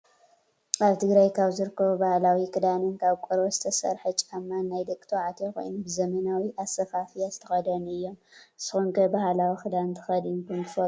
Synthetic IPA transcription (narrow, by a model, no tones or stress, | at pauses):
aβt̪ʰɨɡɾɐjkʰaβzɨɾɨkʰːɐβubahlawikɨd̪anɨnkʰaβkʼɨɾbozɨt̪ʰɐsɐ̰ɾħɐt͡ʃʼamːannːajd̪ɐkʼt̪ʰoʕat̪ʰeko̞̰jnubɨzɐmɐnawiʔasɐfafijazɨt̪ʰɐ̥xɐd̪ɐnɨjːo̞mɨsɨxuŋkʰɐbahlawikʰɨd̪ant̪ʰɨ̥xɐd̪unkʰɨnt̪ʰɨ̥fɐ